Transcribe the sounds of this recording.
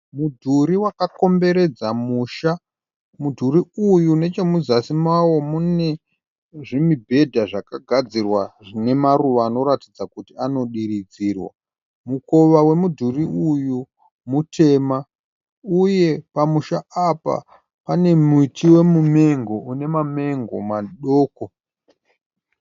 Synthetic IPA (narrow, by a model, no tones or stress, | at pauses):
mudʱuɾiwakako̞mbe̞ɾe̞d͡zamuʃa | mudʱuɾiujune̞t͡ʃemuzasimawo̞mune̞ | ʐimibʱe̞dʱaʐakaɡʱad͡zirwaʐine̞maruʋaːno̞ɾatid͡zakutiano̞ɗiɾid͡ziːrwa̰ | muko̞ʋawe̞mudʱuriuju | mutʰe̞ːma | uje̞pamuʃaapa̰ | pane̞muitʰiwe̞mume̞ŋɡo̞une̞mame̞ŋɡo̞̰maɗoːko̞